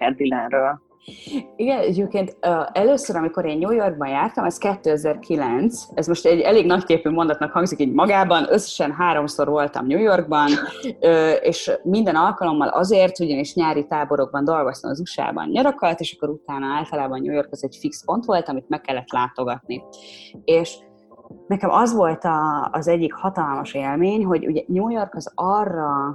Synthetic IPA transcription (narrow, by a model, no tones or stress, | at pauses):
ɛrd̪ilɛnrøːl | iɡɛnɛɟeːpkeːnt̪øɛløːsøɾɒmiko̞ɾeːnɲuːjo̞rɡ̚bɒnjaːrt̪ɒmɛskɛt̪ːøːɛzɛrkʰilɛnt̪sɛzmo̞ʃt̪ɛɟɛleːɡnɒckeːpyːmo̞nd̪ɒt̪nɒkhɒŋɡzikiːɟmɒɡaːbɒnø̞sːɛ̥ʃɛnɦaːɾo̞mso̞rʋo̞lt̪ɒ̰mɲuːjo̞rɡ̚bɒnøːeːʃmind̪ɛnɒlkɒlo̞mːɒ̰lɒ̰zeːrt̪uɟɒniʃɲaːɾit̪aːbo̞ɾo̞ɡ̚bɒnd̪o̞lɡost̪ɒmɒzuʃa̰ːbɒ̰nɲɒɾɒkɒlt̪eːʃɒ̥kːo̞ɾut̪aːnɒaːlt̪ɒlaːbɒnɲuːjo̞rkɒzɛɟfikspo̞nt̪ʋo̞lt̪ɒmit̪mɛkːɛlːɛt̪laːt̪o̞ɡɒt̪ni | eːʃ | nɛkɛmʔɒzʋo̞lt̪ɒ̰ːzɛɟːikhɒt̪ɒlmɒʃeːlmeːɲɦo̞ɟṵɟɛɲuːjo̞rkɒzɒrːɒ